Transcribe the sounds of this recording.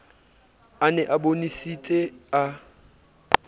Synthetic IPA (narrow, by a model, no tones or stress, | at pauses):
anɛʔabonisitʼea